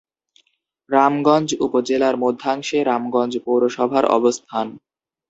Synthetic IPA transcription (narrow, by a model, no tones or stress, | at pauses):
ɾamɡɔnd͡ʑupod͡ʑelaɾmod̪ʱːaŋʃeɾamɡɔnd͡ʑpowɾoʃɔbʱaɾɔ̰bost̪ʰan